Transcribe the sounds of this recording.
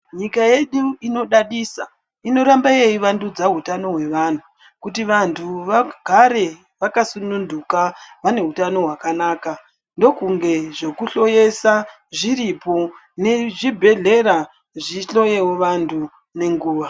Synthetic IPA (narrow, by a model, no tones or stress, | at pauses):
ɲikaje̞ɗuino̞ɗaɗisa | ino̞ɾambaejiʋandud͡zaɦutano̞ɦwe̞ʋan̤u | kutiʋantʰuʋaɡʱaɾe̞ | ʋakasunundukaʋane̞ɦutano̞ɦwakanaːka | ndo̞kuŋɡe̞ʐekuɬo̞je̞sa | ʐiɾipo | ne̞ʐibʱe̞ɮe̞ɾa | ʐiɬo̞jewoʋantʰu | ne̞ŋɡuːʋa